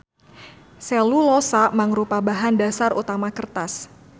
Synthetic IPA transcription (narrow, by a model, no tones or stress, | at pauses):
sɛlulɔsamaŋɾupabaɦandasarṵt̪amakərt̪as